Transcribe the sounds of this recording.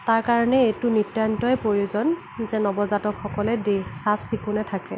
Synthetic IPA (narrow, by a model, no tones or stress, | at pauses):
taɹkaɹɔnɛetʊnitjantɔjɛpɹoɹiuzɔn | zɛnɔbɔzatɔkʰxɔkɔlɛdesabʰsikunɛtʰakɛ̰